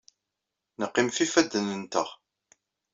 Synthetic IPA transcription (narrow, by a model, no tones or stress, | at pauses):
nəqːimfifæd̪ːənənt̪əʁ